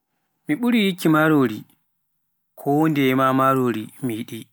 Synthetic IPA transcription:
miɓuɾijikːimaɾoɾi | kʰɔwondɛmamaɾoːɾimijiɗi

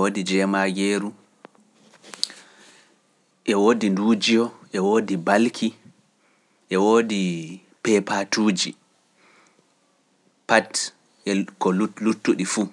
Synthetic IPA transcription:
odid͡ʒɛmaɡeːɾu | ʔɛwoːdinduːd͡ʒiɔʔɛwoːdibalkʰi | ʔɛwoːdi | pɛpatuːd͡ʒḭ | pat | ʔɛkɔlulutːuɗifu

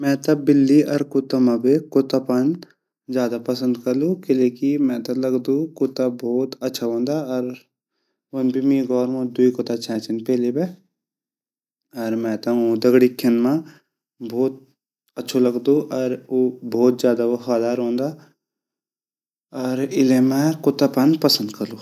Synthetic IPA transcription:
mɛ̃ːt̪ɐbɪlːiʔɐɾkʊt̪amãbekot̪apɐn | d͡ʒjaːd̪apɐsə̃nd̪kɐɾlukɪleːkimɛ̃t̪ɐlɐɡd̪ũkot̪abɔːt̪ɐtːʃʰaɦõːnd̪aɔɾ | ʊnbʱimĩɡɔːɾmõd̪uikot̪at͡ʃʰɛ̃ːt͡ʃɪnpɛːlibe | ɐɾmɛ̃ːt̪aõd̪ɐɡɽikʰːɪnmã | bʱɔːt̪̚ | ɐtːʃʰolɐɡd̪uʔɔɾobʱɔːt̪̚d͡ʒjaːd̪aʋɐfaːd̪aːɾɦõːnd̪a | ɔːɾɪlemɛ̃kot̪apɐnpɐsə̃nd̪kɐɾluː

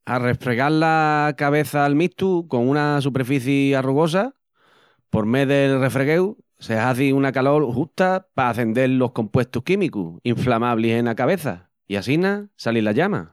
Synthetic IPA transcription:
a̰re̞fɾe̞ɣaɾlakaβ̞e̞θaːlmiht̪uko̞ŋũnas̬upe̞ɾfiθjiaruɣo̞s̬a | po̞ɾme̞ðelre̞fɾe̞ɣe̞w | se̞haθiunakalo̞ɾhuht̪apaːθe̞nd̪e̞llo̞hkõ̞mpwe̞ht̪uhkimikṵiɱflamaβlisẽ̞nakaβe̞θa̰ | iasinasalilaʎama̰

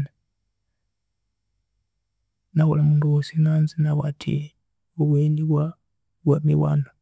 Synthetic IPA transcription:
na | nawolamunduosinanzinawatʰḭ | oβwendiβwa | wamḭwa̰ːna

